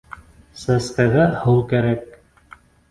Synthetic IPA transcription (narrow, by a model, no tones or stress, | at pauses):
sæskæɣæhɤwkæɾæk̚